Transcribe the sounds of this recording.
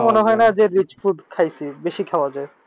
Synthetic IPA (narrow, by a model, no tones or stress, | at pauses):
moneɦɔenad͡ʑeɾit͡ɕfuɖkʰajsʰibeʃikʰawad͡ʑae